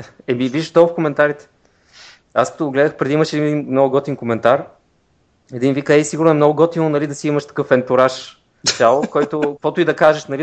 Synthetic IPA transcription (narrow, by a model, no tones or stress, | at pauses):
ɛmiviʒʃd̪ɔfkomɛnt̪aɾit̪ɛ̥ | a̰skɐt̪oɡɡlɛd̪əxpɾɛd̪iiməʃɛd̪inɛd̪inmnɔɡʊɡɔt̪iŋkomɛnt̪aɾ | ɛd̪invikɛsiɡʊɾnʊɛmnɔɡʊɡɔt̪inonɐlid̪ɐsiiməʃt̪ɐ̥kɤfɛnt̪uɾaʃ | t̪ʲalˠokɔjt̪ʊkkvɔt̪ʊid̪ɐkaʒeʃnɐli